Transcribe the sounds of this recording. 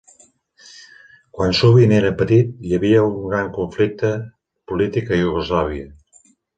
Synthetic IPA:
kwansuβineɾəpət̪it̪̚jəβiəuŋɡɾaŋkuɱflik̚t̪ə | pulit̪ikəjuɣuzlaβ̞iə

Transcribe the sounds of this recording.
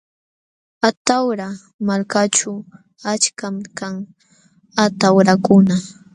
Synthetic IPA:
at̪awɾa | maɾkat͡ʃaw | at͡ʃkamkaŋ | at̪awɾakʊna

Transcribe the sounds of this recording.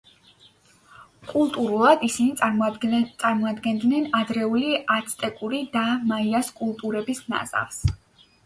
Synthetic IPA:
kʼulˠt̪ʼuɾulˠad̪isini | t̪sʼaɾmɔad̪ɡɛnd̪nɛnad̪ɾɛuliat̪sʰt̪ʼɛkʼuɾid̪amaiaskʼulˠt̪ʼuɾɛbisna̰za̰vs

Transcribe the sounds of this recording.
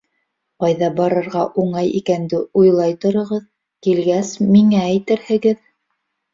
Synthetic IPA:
qɑjðɑbɑɾɤ̆ɾʁɑʔuɴɑjḭkænd̪ɘujlˠɑjt̪ŏɾɤ̆ʁɤð | kilɡæsmiŋæːjt̪ɘɾhɘ̆ɡɘð

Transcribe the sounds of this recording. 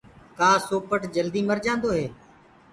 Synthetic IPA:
kaːsoːpəʈd͡ʒəld̪iːməɾd͡ʒãːnd̪oːɦeː

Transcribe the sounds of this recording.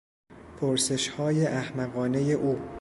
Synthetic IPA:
pʰoɾse̞ʃhɒːje̞ʔæhmæɣɒːne̞je̞ʔuː

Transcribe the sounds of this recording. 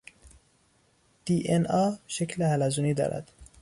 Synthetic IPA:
d̪̥iːʔenɒːʃecʰlehælæzuːniːd̪ɒ̰ːɾʔæ̰d̪̥

